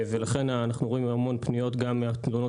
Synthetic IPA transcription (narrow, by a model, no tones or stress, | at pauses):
velaχe̞nːnaχnuʁo̞imhamo̞npnijo̞tɡamːeat̪luno